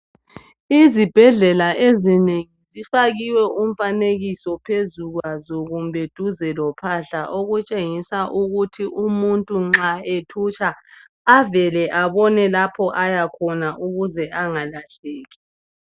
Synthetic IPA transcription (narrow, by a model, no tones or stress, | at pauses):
izib̥ʱɛɮɛlaʔezineŋizifaɣiwɛʔum̩faneɣisɔpʰezuɣwazɔɣumbʱɛd̥ʱuzɛlɔpʰaɬaʔoɣut͡ʃʼeŋisaʔuɣutʰiʔumuntʼuŋ͡ǁaetʰut͡ʃʼaː | vɛlɛʔaβɔnɛlapʰɔʔajakʰɔnaʔuɣuzɛʔaŋalaɬeːɣi